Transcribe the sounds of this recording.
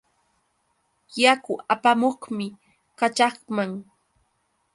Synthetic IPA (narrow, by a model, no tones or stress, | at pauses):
jakʊapamoχmɪ | kat͡ʃɑχmaŋ